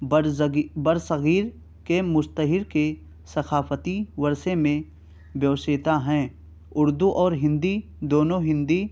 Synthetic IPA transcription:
bbəɾsəɣiːɾ | kemʊst̪əɦɪɾke | sɐxaːfət̪iʋəɾsemẽ | bjɐʋseːt̪aɦɛ̃ː | ʊɾd̪uʔɔːɾɦɪ̃nd̪i | d̪oːnõɦɪ̃nd̪i

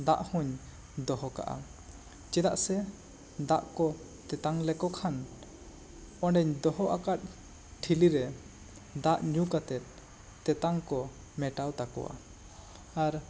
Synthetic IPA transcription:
d̪aʔhuɲ | d̪ɔɦɔka̰ʔa̰ | t͡ʃɛd̪aʔsɛ | d̪aʔkɔ | t̪ɛt̪aŋlɛkɔkʰan | ɔɳɖɛɲd̪ɔɦɔʔakat̪̚ | ʈʰiliɾɛ | d̪aʔɲukat̪ɛt̪̚ː | ɛt̪aŋkɔ | mɛʈawt̪akɔ̰wa̰ | aɾ

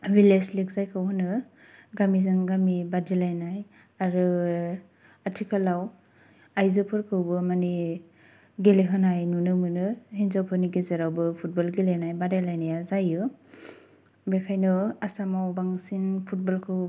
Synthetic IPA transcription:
wileslik̚zajkʰɯwɦɯnɯ | ɡamizɯŋɡamibadilajnaj | aɾɯ | atʰikʰalaw | ajzɯpʰɯɾkʰɯwbɯmani | ɡeleɦɯnajnunɯmɯnɯhinzawpʰɯniɡezeɾawbɯpʰut̚bɔlɡelenajbadalajnajazajɯ | bekʰajnɯasamawbaŋsinpʰut̚bɔlkʰɯw

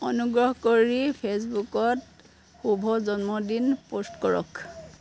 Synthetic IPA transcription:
ɔnuɡɹɔɦkoɹipʰesbukɔt | xubʱɔzɔnmɔdinpostkɔɹɔ̰k

